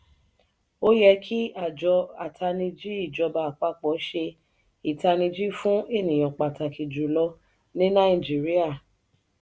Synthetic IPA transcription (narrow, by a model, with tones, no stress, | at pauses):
o˦jɛ˧kʰi˦a˨d͡ʒɔ˧a˨tʰa˧nĩ˧d͡ʒi˦i˦˨d͡ʒɔ˧˦ba˧˨a˨k͡pa˧˦k͡pɔ˨˦ʃe˧ | i˨ta˧nĩ˧d͡ʒi˦fũ˦e˦˨nĩ˨j̃ɔ̃˨k͡pa˨ta˨ki˨d͡ʒu˨lɔ˧ | nĩ˦nã˦i˦˨d͡ʒi˨˦ɾi˦a˦˨